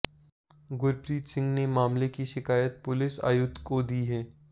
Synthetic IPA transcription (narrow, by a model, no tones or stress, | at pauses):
ɡʊɾpɾiːt̪sɪ̃ŋɡnemaːmlekiʃɪkaːjət̪̚pʊlɪsa̰ːjʊd̪kod̪iɦɛː